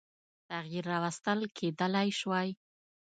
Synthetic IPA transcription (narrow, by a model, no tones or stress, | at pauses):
t̪aɣjiɾːɑwast̪əlkʰed̪əlajʃwaj